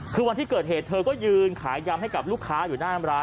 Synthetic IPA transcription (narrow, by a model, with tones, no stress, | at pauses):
kʰɯː˧wa˧nt̪ʰiː˥˩kɤː˨˩t̪̚ɦeː˨˩t̪ʰɤː˧kɔː˥˩jɯː˧nkʰaː˩˦jːa˧mɦa˥˩jka˨˩p̚luː˥˩kʰːaː˦˥juː˨˩naː˥˩na˧mɾaː˦˥